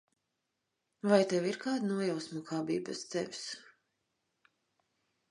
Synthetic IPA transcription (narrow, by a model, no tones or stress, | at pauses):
vajt̪ɛviɾkaːd̪nuɔjawsmɔkʰaːbḭːbast̪sɛ̰vs